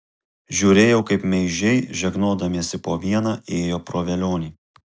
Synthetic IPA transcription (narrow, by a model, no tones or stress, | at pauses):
ʒʲuːɾʲeːjɛʊkɐɪpmʲɛɪʒʲɛɪʒʲɛɡnoːd̪ɐmʲisʲɪpoːʋʲiɛnɑːeːjoːpɾoːʋʲɛlʲoːnʲiː